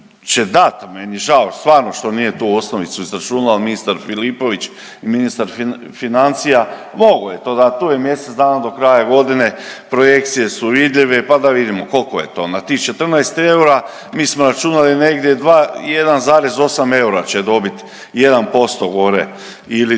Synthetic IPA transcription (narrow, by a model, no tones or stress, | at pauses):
t͡ʃe̞d̪at̪menieʒaost̪ʋaːɾno̞ʃt̪o̞nije̞t̪uo̞sno̞ʋit̪suizɾat͡ʃunaminist̪aɾfilipo̞ʋit͡ʃ | iminist̪aɾf | finant̪sija | mo̞ɡoje̞t̪o̞ːd̪at̪uːje̞mje̞set̪d̪aːnad̪o̞kɾajaɡo̞d̪ine̞pɾo̞je̞kt̪sije̞suʋid̪ʎʲiʋe̞pad̪aʋid̪imo̞ko̞lkoje̞t̪o̞ːnat̪ixt͡ʃe̞t̪r̩naest̪e̞uɾa | miːsmoɾat͡ʃunaline̞ɡd̪jed̪ʋaːjed̪anzaːɾe̞zo̞same̞uɾat͡ɕed̪o̞bit̪ | je̞d̪anpo̞st̪oɡo̞ɾe̞̰ | ili